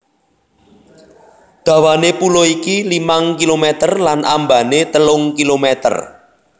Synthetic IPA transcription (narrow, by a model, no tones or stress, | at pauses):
d̪̥ä̤wanepuloikilimaŋkilomet̪ərlanʔamba̤net̪əlʊŋkilomet̪ə̰r